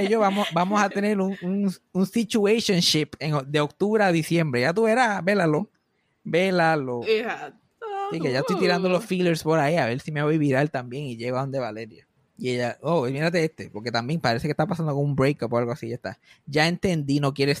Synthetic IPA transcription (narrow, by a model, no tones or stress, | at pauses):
eʝo̞βamosbamosat̪e̞ne̞ɾuŋuŋunsit͡ʃuesjonʃipe̞ŋod̪e̞ok̚t̪uβɾeaðisje̞mbɾe̞ʝat̪uβeɾabe̞lalo̞ | be̞laloehat̪ | ikeʝaest̪ojt̪iɾand̪o̞lo̞sfileɾspo̞ɾaiaβe̞ɾsimeaβojβiɾaelt̪ambje̞ŋiʝeɣoaond̪eβale̞ɾja̰ | ieʝaomiɾat̪e̞est̪e̞po̞ɾke̞t̪ambje̞ŋpaɾe̞se̞kest̪apasand̪o̞ko̞ŋumbɾejkapoalɣoasiʝaest̪a̰ɟ͡ʝae̞nt̪e̞nd̪ino̞k̬je̞ɾes